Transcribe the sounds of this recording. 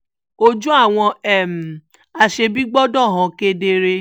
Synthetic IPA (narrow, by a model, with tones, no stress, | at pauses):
o˦d͡ʒũ˦a˦˨w̃ɔ̃˧ɛ˦˨m̩˨ | a˧ʃe˧bi˦ɡ͡bɔ˦dɔ̃˦˨ɦã˧ke˦de˧ɾe˧